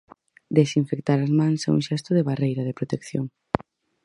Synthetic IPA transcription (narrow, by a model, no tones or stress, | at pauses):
d̪esiɱfek̚t̪aɾazmãŋsɛṵŋʃɛst̪ʊðeβarejɾɐðepɾot̪ekθjoŋ